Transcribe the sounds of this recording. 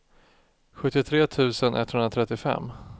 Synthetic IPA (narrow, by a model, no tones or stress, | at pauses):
ɧɵt̪ːɪt̪ʰɾeːt̪ʰʉ̟ːsənʔɛ̰t̪hɵnɾat̪ʰɾɛt̪ːɪfɛ̰mː